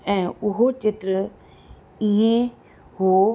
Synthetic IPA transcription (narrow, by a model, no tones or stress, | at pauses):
ɛ̃ːʊɦot͡ɕɪt̪ɾə | iɦẽ | ɦoː